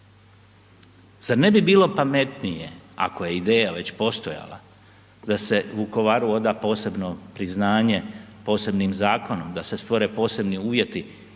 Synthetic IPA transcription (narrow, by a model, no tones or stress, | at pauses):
z̥aɾne̞bibiːlo̞pame̞t̪nije̞̰a̰koje̞id̪e̞ːjaʋe̞t͡ɕpo̞st̪o̞ja̰la̰ | d̪ase̞ʋuko̞ʋaːɾuo̞d̪aːpo̞ːse̞bno̞pɾiznaːɲe̞po̞ːse̞bniːmzaːko̞no̞md̪ase̞st̪ʋo̞ɾe̞po̞ːse̞bniuːʋje̞t̪i